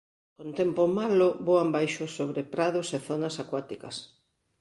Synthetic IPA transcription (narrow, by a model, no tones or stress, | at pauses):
kont̪ɛmpomaloboambajʃʊsːoβɾepɾaðʊseθonɐsakwat̪ikɐs